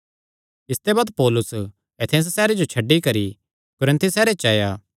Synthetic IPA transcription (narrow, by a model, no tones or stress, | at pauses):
ɪst̪ebaːd̪pɔːlʊs | et̪ʰenssɛːɾed͡ʒot͡ʃʰɐɖːikɐɾi | kʊɾə̃nt̪ʰisɛːɾet͡ʃɐːjaː